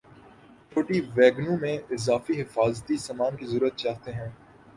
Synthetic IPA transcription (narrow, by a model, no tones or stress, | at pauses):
t͡ʃoːʈiʋɛːɡnũmẽɪzaːfiɦɪfaːzt̪isɐmaːnkizəɾuːət̪̚t͡ʃaːɦt̪eɦɛ̃ː